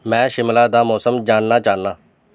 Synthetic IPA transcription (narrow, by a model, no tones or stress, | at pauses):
mɛ̃ːʃɪmlaːd̪aːmɔːsəmd͡ʒaːnnaːt͡ʃaːnːaː